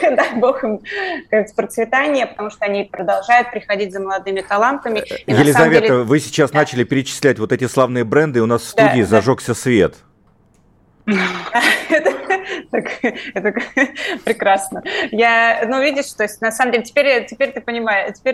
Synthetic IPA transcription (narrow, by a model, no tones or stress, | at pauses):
d̪ajboxɨmkaɨt̪spɾət̪svʲɪt̪anʲɪjəpə̥t̪ɐmuʂt̪oɐnʲipɾəd̪ɐlˠʐajʊt̪̚pɾʲɪxɐdʲitʲzəməlˠɐd̪ɨmʲɪt̪ɐlˠant̪əmʲɪjɪlʲɪzsazɐvmʲeeəvɨsʲɪ̥t͡ɕasnat͡ɕɪlʲɪpʲɪɾʲɪt͡ɕɪ̥sʲlʲætʲvo̞t̪ɛtʲɪslˠavnɨjəbɾɛnd̪ɨʊnasfst̪uɪːzɐʐoksʲəsvʲḛt̪ | aɛt̪ət̪akɛt̪əkpɾʲɪkɾasnəjanuvʲidʲɪʂt̪oɪsʲt̚ʲnɐsaməmdʲelʲɪtʲɪ̥pʲeɾʲtʲɪpʲeɾʲt̪ɨpənʲɪmajʊtʲɪ̥pʲeɾʲ